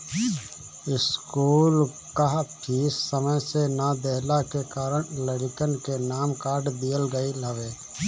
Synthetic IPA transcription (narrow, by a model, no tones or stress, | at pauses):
ɪskuːl | kaɦpʰiːsːəməjsenad̪eɦlakekaːɾəɳ̃ləɽɪkənkenaːmkaːɾɖd̪ijəlɡəiləʋeː